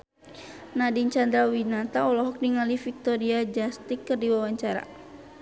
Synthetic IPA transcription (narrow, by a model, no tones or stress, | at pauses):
nadiɲt͡ʃand̪ɾawinat̪aɔlɔɦɔk̚niŋalifik̚t̪ɔɾiad͡ʒast̪ikːɨrdiwawaɲt͡ʃaɾa̰